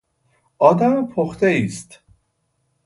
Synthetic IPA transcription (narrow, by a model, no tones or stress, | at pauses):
ɒːd̪æmpʰoxt̪eiːst̪